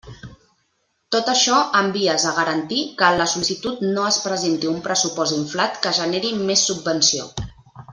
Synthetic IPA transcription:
t̪ot̪əʃɔəmbiəzəɣəɾənt̪ikəːləsulisit̪ut̪noəspɾəzent̪iumpɾəsupɔziɱflat̪kəʒəneɾimesːubːənsio̰

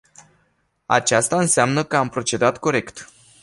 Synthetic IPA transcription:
a̰t͡ʃast̪aɨnseamnəkəampɾo̞t͡ʃe̞d̪at̪ko̞ɾe̞kt̪

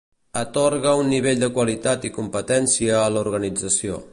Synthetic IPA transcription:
ət̪ɔɾɣəunːiβeʎd̪əkwəlit̪at̪ikumpət̪ɛnsiəːluɾɣənid͡zəsio̰

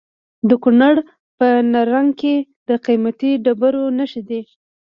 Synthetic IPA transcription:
d̪əkunaɽ | pənaɾaŋɡked̪əqimat̪iɖabaɾonaʃid̪e

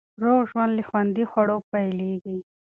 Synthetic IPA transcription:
ɾoːɣʒwanlixwand̪ixwɐɽopajliɡi

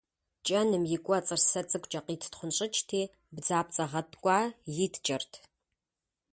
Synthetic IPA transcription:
t͡ʃʼɐnɨmjɪkʷʼɔt͡sʼɨrsɐt͡sʼɨkʷʼt͡ʃʼɐqiːtʰtχʷʊnɕʼɪt͡ʃʰʼtʰiː | bd͡zaːp̚t͡sʼɐʁɐtʰʼkʷʼɑːjɪtʰt͡ʃʼɐrtʰ

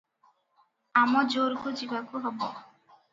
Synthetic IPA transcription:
amɔd͡ʒoɾɡud͡ʒibakuɦɔbɔ

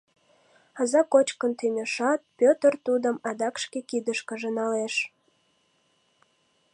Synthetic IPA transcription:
ɑzɑkot͡ɕkənt̪ynʲəʃɑt̪̚pʲøt̪ərt̪ud̪ə̆mɑd̪ɑkʃkekid̪əʃkə̆ʒənɑleʃ

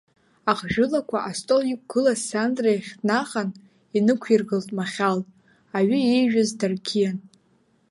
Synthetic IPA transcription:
aqʼʒᶣʊlakʷʰaʔastʼoljik̚ʷʼɡ̥ɨlasandrajaχʲtʼnaχan | inɨkʷʰirɡɨltʼmaχʲal | aɥiejʒᶣazdarkʲʰijan

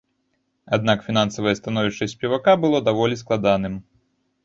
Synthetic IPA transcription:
ad̪nakfʲin̪ansɐvɐjɛst̪anɔvʲiʂt͡ʂɐsʲsʲpʲɛvakabɨlˠɔd̪avɔlʲisklˠad̪anɨm

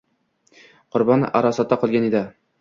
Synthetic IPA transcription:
qʰʊɾbɒnɪ̰ʔaɾɒsat̪ːaqʰɒlˠɡʲaned̪ɪ

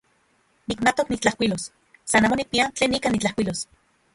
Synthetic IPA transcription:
nikmat̪oknikt͡ɬahkʷwʷilos | sanaːmonik̚piant͡ɬeːnikanit͡ɬahkʷilos

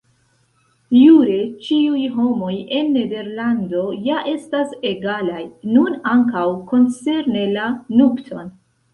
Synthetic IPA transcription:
juɾe̞t͡ʃiujɦo̞mo̞je̞nːe̞de̞ɾlando̞jaʔe̞stase̞ɡalajnunaŋkawko̞nt͡se̞ɾne̞lanuktʰo̞n

